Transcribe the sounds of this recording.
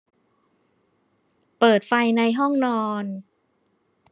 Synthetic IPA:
pɤː˨˩t̪̚fa˧jna˧jɦɔ˥˩ŋnɔː˧n

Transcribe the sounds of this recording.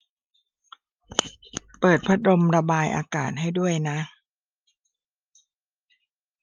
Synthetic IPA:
pɤː˨˩t̪̚pʰa˦˥ɾo˧mɾa˧baː˧jʔaː˧kaː˨˩t̪̚ɦa˥˩jdu˥˩əjna˦˥

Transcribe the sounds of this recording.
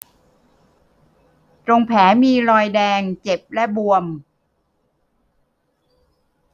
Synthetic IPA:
t͡ɕo˧ŋpʰɛː˩˦miː˧ɾɔː˧jdɛː˧ŋt͡ɕe˨˩p̚lɛ˦˥bu˧əm

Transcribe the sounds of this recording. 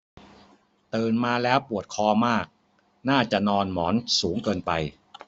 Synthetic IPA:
t̪ɤː˧nmaː˧lɛː˦˥wpu˨˩ət̪̚kʰɔː˧maː˥˩k̚ | naː˥˩t͡ɕa˨˩ʔnɔː˧nmɔː˩˦nsuː˩˦ŋkɤː˧npa˧j

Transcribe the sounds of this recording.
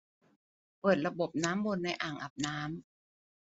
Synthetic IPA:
pɤː˨˩t̪̚ɾa˧bo˨˩p̚naː˦˥mbo˧nːa˧jʔaː˨˩ŋʔa˨˩p̚naː˦˥m

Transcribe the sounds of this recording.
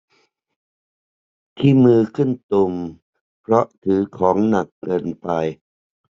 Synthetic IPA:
t̪ʰiː˥˩mɯː˧kʰɯ˥˩nt̪u˧m | pʰɾɔ˦˥ʔt̪ʰɯː˩˦kʰɔː˩˦ŋna˨˩kːɤː˧npa˧j

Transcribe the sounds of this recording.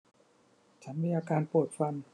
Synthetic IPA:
t͡ɕʰa˦˥nmiː˧ʔaː˧kaː˧npu˨˩t̪̚fa˧n

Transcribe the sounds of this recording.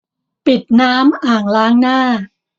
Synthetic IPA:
pi˨˩t̪̚naː˦˥mʔaː˨˩ŋlaː˦˥ŋnaː˥˩

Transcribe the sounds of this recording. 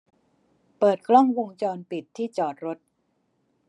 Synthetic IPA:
pɤː˨˩t̪̚klɔ˥˩ŋwo˧ŋt͡ɕɔː˧npi˨˩t̪ʰːiː˥˩t͡ɕɔː˨˩t̪̚ɾo˦˥t̪̚

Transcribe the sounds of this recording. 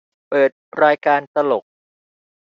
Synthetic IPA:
pɤː˨˩t̪̚ɾaː˧jkaː˧nsa˧lo˨˩k̚

